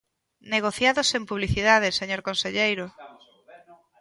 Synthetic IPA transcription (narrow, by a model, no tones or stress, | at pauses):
neɣ̞oθjaðosempuβliθiðaðeseɲoɾkonseʎejɾʊ